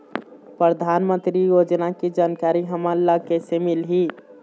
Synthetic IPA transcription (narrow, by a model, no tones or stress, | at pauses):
pɾəd̪ʱanmə̃nt̪ɾijod͡ʒnakid͡ʒaːnkaːɾiɦəmaɾlakɛsemilɦi